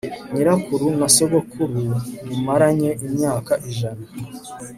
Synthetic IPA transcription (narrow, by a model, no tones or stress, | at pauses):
ɲiɾakuɾunasoɡokʰuɾunimaɾaɲeʔimɲaːkaʔiʒana